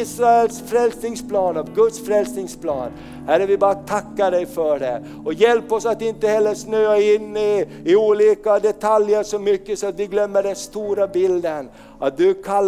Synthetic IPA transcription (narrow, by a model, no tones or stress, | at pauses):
sɾaɛlsfɾɛlsnɪŋspʰlɑːnavɡɵd̪sfɾɛlsnɪŋsplɑ̰ːn | hæɾːəvɪbɑːɾat̪ʰakːaɖɛjfœɖɛ | ɔjɛlpɔsat̪ɪnt̪əhɛlːəɾʂnøːaɪnːɪ | ɪuːliːkad̪ɛt̪ʰaljəɾʂɔmʏkːəsɔat̪d̪ɪɡlœmːəɖɛnst̪uːɾabɪld̪ən | ʔat̪̚d̪ʉkʰalː